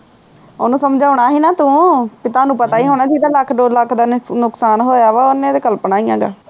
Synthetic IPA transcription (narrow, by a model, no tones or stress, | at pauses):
onũːsəmd͡ʒaːʊɳ̃aːɦiːnãːt̪ũːpɪt̪ãːnũːpət̪aːiːɦoːnaːd͡ʒiːd̪aːləkʰɖoːləkʰːd̪aːnʊksaːnɦoːjaːʋaːonẽːd̪eːkəlpəɳaːĩjãːɡa̰ː